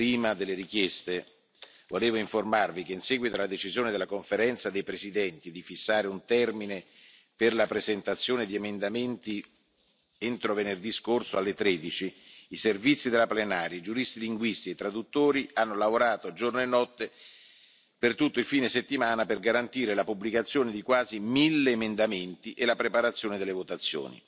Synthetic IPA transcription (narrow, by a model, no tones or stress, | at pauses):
pɾiːmad̪elːeɾikjɛst̪e | voleːvoiɱformarvikeinsɛːɡwit̪oalad̪et͡ʃizjoːned̪elakoɱfeɾɛnt̪sad̪ejpɾezid̪ɛnt̪id̪ifisːaːɾeunt̪ɛrmine | perlapɾezent̪at̪sːjoːned̪iemend̪ament̪i | ent̪ɾovenerd̪iskorsoalːet̪ɾeːd̪it͡ʃiːservit̪sːid̪elaplenaːɾjaid͡ʒuɾist̪iliŋɡwist̪iet̪ːɾad̪ut̪ːoːɾianːolavoɾaːt̪od͡ʒornoenːɔt̪ːe | pert̪ut̪ːoilfiːneset̪ːimaːnaperɡaɾant̪iːɾelapublikat̪sːjoːned̪ikwaːzimilːeːmend̪ament̪iʔelapɾepaɾat̪sːjoːned̪elːevot̪at̪sːjo̰ːnḭ